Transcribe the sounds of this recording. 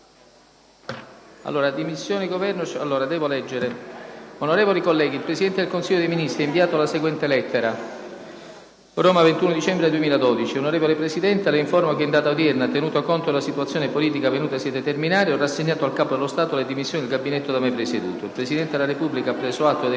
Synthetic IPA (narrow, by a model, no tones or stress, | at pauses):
a̰lːoːɾad̪imisːjoːneɡovɛrnot͡ʃa̰lːoːɾad̪ɛːvolɛd͡ʒːeɾeonoɾeːvolikolːɛːɡilpɾesid̪ɛnt̪ed̪elkonsiʎːod̪ejminist̪ɾiɛiɱviaːt̪olaseɡwɛnt̪elɛt̪ːeɾa | roːmavent̪unod̪it͡ʃɛmbɾed̪uemiːlad̪ɔd̪it͡ʃionoɾeːvolepɾesid̪ɛnt̪ealeiɱformakeːnd̪aːt̪awd̪jɛrnat̪ːenuːt̪akont̪olasit̪uat̪sjoːnepoliːt̪ikavenuːt̪asiɛd̪et̪erminaːɾiɔrːasːeɲːaːt̪oalkaːpod̪elost̪aːt̪oled̪imisːjonid̪elɡabːinɛt̪ːod̪amepɾesed̪ṵːt̪oilpɾesid̪ɛnt̪ed̪elaɾepubːlikapːɾɛːzoat̪ːo